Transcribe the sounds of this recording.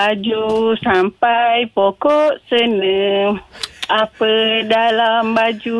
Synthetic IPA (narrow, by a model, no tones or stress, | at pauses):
ad͡ʒusampajpokɔʔsənə | apədalambad͡ʒu